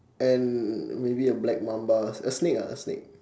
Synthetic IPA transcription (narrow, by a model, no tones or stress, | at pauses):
ɛ̃nmebiəblɛk̚mãmbaəsneka̰ə̰snḛk̚